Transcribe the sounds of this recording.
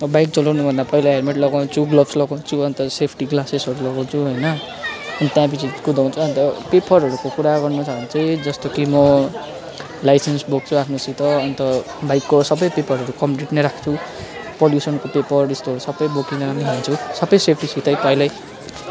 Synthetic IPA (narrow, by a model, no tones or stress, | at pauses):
mʌbajk̚t͡sʌlawnubʱʌnd̪apʌilaɦermeʈlʌɡaw̃nt͡sʰuɡlʌbslʌɡaw̃nt͡sʰuʌnt̪ʌsepʰʈiɡlasesʌɾulʌɡaw̃t͡sʰuɦʌjnʌ | ʌnit̪jãpit͡sikud̪ʱaw̃nt͡sʰuʌnt̪ʌpepʌrɦʌɾukokuɾaɡʌrnut͡sʰaʌnt͡sʌj̃d͡zʌst̪okimʌ | lajsensbok̚t͡sʰuapʰnosit̪ʌːnit̪ʌ | bajkːosʌbʌjpepʌrɦʌɾukʌmpʈiʈneɾakʰt͡sʰu | poljusʌnkopepʌrdʌst̪oʌɾusʌbʌjbokid͡zʌaniɦant͡sʰusʌbʌjsepʰʈisit̪ʌjpʌilaj